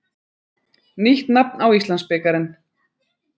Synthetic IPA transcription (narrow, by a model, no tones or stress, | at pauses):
niht̪napnawist̪lanspɛːkaɾɪn